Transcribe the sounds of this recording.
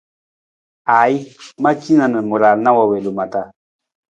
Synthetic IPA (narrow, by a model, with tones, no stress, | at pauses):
a˨i˦ma˦t͡ʃi˦na˨nə˨mu˨ɾa˨lna˦wa˨we˨lu˨ma˨t̪a˨